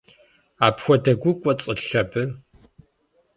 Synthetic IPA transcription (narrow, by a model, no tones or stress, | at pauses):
aːpxʷɔdɐɡʷʊkʷʼɔt͡sʼɨɬɐbɨ